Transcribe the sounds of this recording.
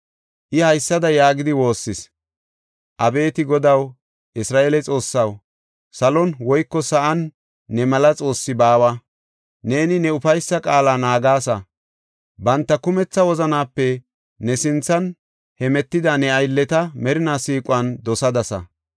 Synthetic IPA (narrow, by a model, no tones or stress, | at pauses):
ʔɪhɐjsːɐd̪ɐjaːɡɪd̪ɪwo̞ːsːɪs | ʔɐbe̞ːt̪ɪɡɔd̪ɐw | ʔɪsɾaːʔeːlɛt͡sʼo̞ːsːɐw | sɐlɔnwɔjkːɔsɐʔɐnː | ɛmɐlɐt͡sʼo̞ːsːɪbaːwɐ | ne̞ːnɪnɛʊfɐjsːɐkʼaːlaːnaːɡaːsɐ | bɐnt̪ːɐkʊmɛt͡sːɐwɔzɐnaːpːɛ | nɛsɪnt͡sːɐn | hɛmɛt̪ːɪd̪ɐnɛɐjlːɛt̪ɐmɛɾɪnaːsiːkʼʊwɐnd̪ɔsɐd̪ɐsɐ̰